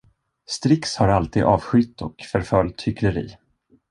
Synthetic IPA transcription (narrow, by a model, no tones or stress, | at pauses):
st̪ɾɪkshaɾalt̪iːd̪ɑːvɧʏt̪ːɔkfœɾfœlt̪hʏkʰləɾḭː